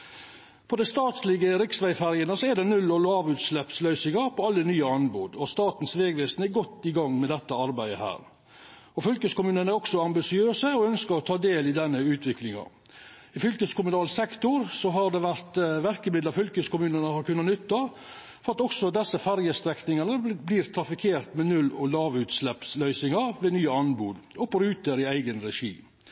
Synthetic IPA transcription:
pʰɔd̪æɪst̪ɑːt̪slɪɡəɾɪksʋæɪfæɾjənəsɔɛɖ̪ɛnʉlːɔlɑːʋʉːt̪slɛpslœʏsɪŋɑɾpʰɔɑlːənyːəɑnbuːd̪ɔst̪ɑːt̪nsʋeːɡʋeːsnəɛɡɔt̪ːɪɡɑŋːmɛd̪ɛt̪ːəɑɾbæɪə̰hæ̰ːɾ | ɔfʏlkəskʊmʉːnənæɾɔksɔɑmbɪsɪøːsəɔœnskəɾɔt̪ʰɑːd̪eːlɪd̪ɛnːəʉːt̪ʰʋɪklɪŋɑ̰ | ɪfʏlkəskʊmʉnɑːlsɛkt̪ʊɾsɔɦɑɾd̪ɛʋæɾt̪ʋæɾkəmɪd̪lɑfʏlkəskʊmʉːnənəhɑɾkʉnːɑnʏt̪ːɑ | fɔɾɑt̪ɔksɔd̪ɛsːəfæɾjəst̪ɾɛknɪŋɑnəbliːɾt̪ʰɾɑfɪkʰeːɾt̪mɛnʉlɔlɑːʋʉːt̪slɛpslœʏsɪŋɑɾʋeːnyːəɑnbuːd̪ɔpɔɾʉːt̪əɾɪæɪɡənɾɛʂḭː

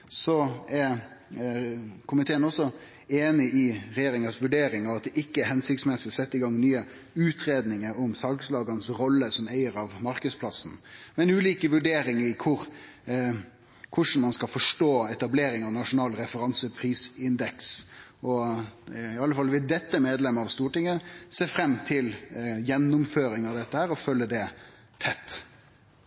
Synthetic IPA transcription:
sɔɛɾ | kʰʊmɪt̪ʰeːənɔsɔ | eːnɪʔɪɾɛjeːɾɪŋɑsʋʉɖeːɾɪŋɑʋɑt̪̚d̪ɛʔɪkːəɛɾhɛnsɪk̚t̪smɛsɪɔsɛt̪ːəɪɡɑŋnyːə | ʉːt̪ʰɾeːd̪nɪŋəɾʊmsɑɡslɑːɡɑnsɾɔlːəsɔmæɪəɾɑʋmɑɾkəspʰlɑsn̩mɛnʉːliːkəʋʉɖeːɾɪŋɪkʰʊɾ | kʰʊʂn̩mɑnskɑfɔʂʈoːɛt̪ɑbleːɾɪŋɑʋnɑʂʊnɑːlɾɛfəɾɑnsəpʰɾiːsɪnd̪ɛksʔɔ | ɪɑlːəfɑlːʋɪld̪ɛt̪ːəmeːd̪lɛmːɑʋst̪uːʈɪŋəseːfɾɛmːt̪ʰɪljɛnːʊmføːɾɪŋɑʋd̪ɛt̪ːəhæːɾɔfœlːəd̪ɛ | t̪ʰɛt̪ː

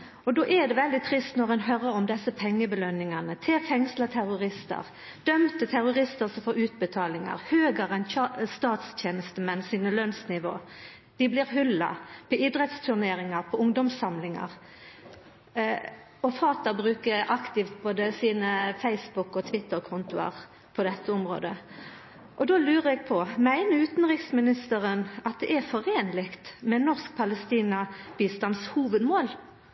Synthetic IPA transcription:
ɔd̪oːʔɛd̪ɛʋɛld̪ɪt̪ʰɾɪst̪nɔʁɛnɦœɾəɾɔmd̪ɛsːəpʰɛŋːəbəlœnːɪŋɑnət̪ʰeːʁfɛŋslət̪ʰæʁʊʁɪst̪ə̰ʁ | d̪̥œmt̪ət̪ʰæʁʊʁɪst̪əʁsɔfoːɾʉːt̪̚bət̪ʰɑːlɪŋɑ̰ʁhøːɡəʁɛnɑst̪ɑːt̪sc͡çeːnəst̪əmɛnsiːnəlœnsnɪʋo̰ː | d̪̥ɪblɪːʁɦʉlɑ̰pʰɔʔɪd̪ʁɛt̪st̪ʰʉʁneːɾɪŋɑʁpʰɔʊŋd̪ɔmsɑmlɪŋɑ̰ʁ | ɔfɑːt̪əbʁʉːkəɾɑkt̪ɪft̪̚boːd̪əsiːnəfæɪsbʊkɔt̪ʰʋɪt̪ːəʁkʰʊnt̪ʊɑ̰ʁ | pʰɔd̪ɛt̪ːəʊmʁo̰ːd̪ə | ʔɔd̪oːlʉːʁəɛɡ̥̚pʰɔmæɪnəʉːt̪nʁɪksmɪnɪst̪əʁənɑt̪̚d̪ɛʔɛʁfɔʁeːnlɪkt̪mɛnɔʁsk̚pʰɑləst̪iːnɑb̥iːst̪ɑnshuːʋəd̪moːl

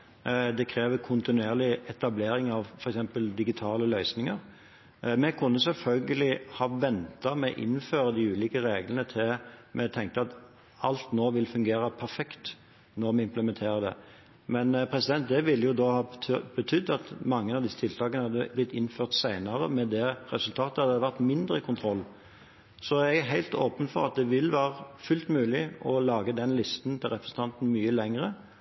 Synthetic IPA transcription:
d̪ɛkʰɾeːʋəkʰʊnt̪ɪnʉeːʁlɪɛt̪ɑbleːɾɪŋɑʋfɔɾɛksɛmpəld̪ɪɡɪt̪ʰɑːləlœʏsnɪŋəɾ | mɛkʰʉnːəsɛlfœlɡəlɪhɑːʋɛnt̪ɑmɛʔɪ̰nːføːɾəd̪iːʉːliːkəɾeːɡlənət̪ʰɪmʔɛt̪ʰɛŋk̚t̪əɑt̪ | ɑlt̪noːʋɪlfʉŋɡeːɾəpʰæɾfɛkt̪ | nɔɾmɛɪmpləmɛnt̪ʰeːɾəd̪ɛ̰ | mɛnpʰɾɛsɪd̪ɛnt̪̚d̪ɛʋɪlːəjʊd̪oːhɑːbət̪ʰʏd̪ːɑt̪mɑŋːəɑʋd̪ɪsːət̪ʰɪlt̪ʰɑːkənəhɑd̪ːəblɪt̪ːɪnføːʁt̪sæɪnɑɾəmɛd̪ɛɾɛsʉlt̪ʰɑːt̪əhɑd̪əəʋæʁt̪mɪnd̪ʁəɪkʰʊnt̪ʰɾɔlː | sɔɛɡɦæɪlt̪oːpənfɔʁɑ̰t̪̚d̪ɛʋɪlʋæːʁəfʉlt̪mʉːlɪɔlɑːɡəd̪ɛnlɪst̪nt̪ʰɪlʁɛpɾəsən̩t̪ʰɑnt̪n̩myːəlɛŋʁə

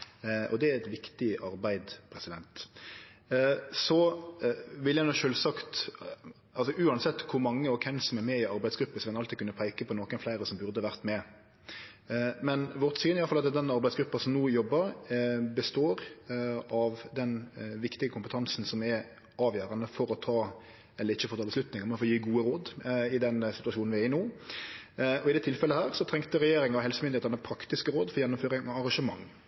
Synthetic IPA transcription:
ʔɔ̰d̪ɛæɾɛt̪ʋɪkt̪ɪʔɑɾbæɪd̪pʰɾɛsɪd̪ɛnt̪ | sɔ | ʋɪljæɪnuːʃøːlsɑkt̪ | ɑlsɔʔʉːɑnsɛt̪ːkʰʊɾmɑŋːəɔkʰɛnsɔmɛɾmɛɪɑɾbæɪsɡɾʉpːəsʋɛnɑlt̪ɪkʉnːəpʰæɪkəpʰɔnoːkənflæɪɾəsɔmbʉɾd̪əʋæʁt̪mɛ | mɛnʋɔʁt̪syːnɪɑlflɑt̪d̪ɛnɑɾbæɪsɡɾʉpːɑsɔmnuːjɔbːəɾbəst̪oːɾ | ɑʋd̪ɛnʋɪkt̪ɪɡəkʰʊmpət̪ʰɑnsn̩sɔmɛ | ɑːʋjøːɾɑnəfɔɾɔt̪ʰɑː | ɛlːəɾɪçːəfɔt̪ʰɑləslʉt̪nɪŋɔmɛfɔːjiːɡuːəɾoːd̪ɪd̪ɛnsɪ̥t̪ʉɑʃuːnn̩ʋɪæɪnoː | ʔɔɪd̪ɛːt̪ʰɪlfɛlːəhæːɾsɔt̪ʰɾɛŋkt̪əɾɛjeːɾɪŋɔɦɛlsəmʏnd̪ɪeːt̪əɾnəpʰɾɑkt̪ɪskəɾoːd̪fɔɾjɛnːʊmføːɾɪŋɔɑʁɑŋʂʃəmɑ̰ŋː

